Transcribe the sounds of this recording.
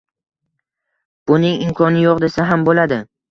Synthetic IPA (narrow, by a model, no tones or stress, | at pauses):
b̥ʊnɪŋɪmkʰɒnɪjoqd̪e̞saɦambolad̪ɪ